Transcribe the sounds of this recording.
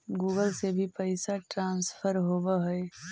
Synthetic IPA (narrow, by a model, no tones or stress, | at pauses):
ɡuːɡəlsebʱipəɪsaʈɾãːnspʰəɾɦoːbaɦɛe